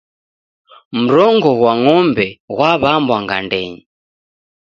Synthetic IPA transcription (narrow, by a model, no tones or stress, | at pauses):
m̩ɾɔŋɡɔɣwaŋɔmbɛɣwaβambwaŋɡa̰ndɛɲi